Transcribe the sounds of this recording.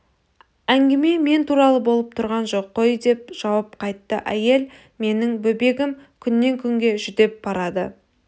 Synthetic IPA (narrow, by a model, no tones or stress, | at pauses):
æŋɡʲɪme̞me̞nt̪ʰuɾɑlˠəbo̞lˠəp̚t̪ʰʊɾʁɑnʒo̞qʰːojd̪e̞p̚ʒ̥ɑwɑp̚qʰɑjt̪ːəʔæje̞l | me̞nɪŋbɵbe̞ɡʲɪmkʲʰʏnːe̞ŋkʲʰʏŋɡʲe̞ʒʏd̪e̞p̚bɑɾɑd̪ə